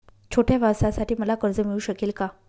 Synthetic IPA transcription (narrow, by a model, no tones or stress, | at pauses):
t͡ɕʰoʈjaʋʱasasaʈiːməlakəɾd͡zəmiɭuːɕəkelka